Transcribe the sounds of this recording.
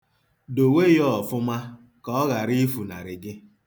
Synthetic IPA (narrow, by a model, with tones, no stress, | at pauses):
do˨we˦jɔ˦ɔ˨fʊ˦ma˦ | kɔ˦ɔ˦ɣa˨ɾi˦fu˨na̰˨ɾɪ˨ɡɪ˦